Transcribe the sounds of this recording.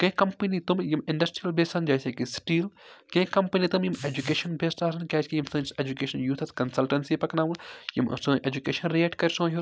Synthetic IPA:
kɐ̃kɐmpənit̪umjimɪɳɖɐsʈɾijɐlbʱeːsɐnd͡ʒaːseːkisʈiːlkɐ̃kɐmpɐnit̪ɐmjimeːd͡ʒukeːʃɐnbʱeːsʈaːsɐnkʲaːt͡ʃʰkijimsɐ̃seːd͡ʒukeːʃɐnjuːt̪ʰɐt̪kɐnsɐlʈɐnsipɐknaːʋunjḭm̰sũʔeːd͡ʒukeːʃɐnɾieʈkɐɾʲsõːɦu

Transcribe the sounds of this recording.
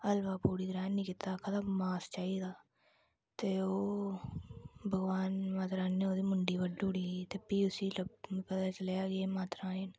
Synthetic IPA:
ɐlbaːpuːɽiɡɾaːnːĩkɪt̪akʰat̪amaːst͡ʃaːid̪aː | t̪eoː | bʱəɡʋaːnmaːt̪ɾaːnːeoːd̪imʊɳɖibəɖɖuːɽiit̪epːiʊsilɐbpɐt̪aːt͡ʃɐljaɡemaːt̪ɾãːen

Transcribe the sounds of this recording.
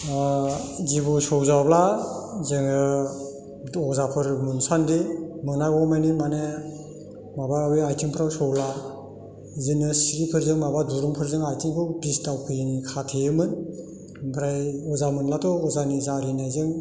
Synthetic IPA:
zibusɔwzawblazɯŋɯ | ɔzapʰɯɾmunsandimɯnaɡɔmajnimane | mabawiajtʰiŋpʰɾawsɔwla | zɯnɯsiɡipʰɯɾzɯŋmabaduɾuŋpʰɯɾzɯŋajtʰiŋkʰɔbistawpʰɯjnikʰatʰejɯmɯn | pʰɾajɔzamɯnlatʰɔɔzanizaɾinajzɯŋ

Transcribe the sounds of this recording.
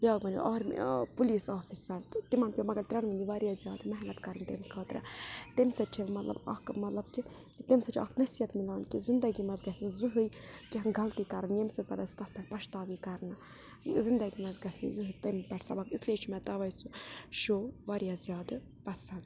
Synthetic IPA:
bʲjaːɡbɐnḭʔɔːɾ̰puliːsaːfisɐɾt̪t̪imɐnpʲjomɐɡɐɾt̪ɾɐnʋɐnd̪iʋaɾijazjaːd̪mɐɦlɐt̪kɐɾɨnt̪emkʰɐːt̪ɾɐ̰t̪emsɐt͡ʃʰimɐt̪lɐ̰bɐ̰kmɐt̪lɐbt͡ʃi | t̪emsɐt͡ʃʰiʔɐ̰knɐsijɐt̪milaːnkizind̪ɐɡimɐzɡɐsnizɨɦɨjkiɦnɡɐlt̪ikɐɾɐnjemsɐt̪pɐd̪ɐst̪ɐt̪pɐpɐʃt̪aːʋikɐɾna | zind̪ɐɡimɐzɡɐsnḭzɨɦɨjt̪ɐmpɐʈsɐ̰bɐkislet͡ʃʰimɛt̪ɐʋɐjsuʃoːʋaɾijazjaːd̪ɨ | pɐsɐnd̪

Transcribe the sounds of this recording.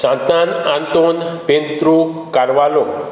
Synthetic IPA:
sãnt̪anãnt̪onpent̪ɾu | kaɾʋalo

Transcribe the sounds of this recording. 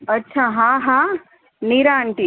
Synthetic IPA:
ɐtːʃʰaɦãɦã | niɾaːɳʈi

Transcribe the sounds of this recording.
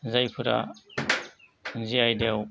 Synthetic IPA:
zajpʰɯɾa̰ | ziajdew

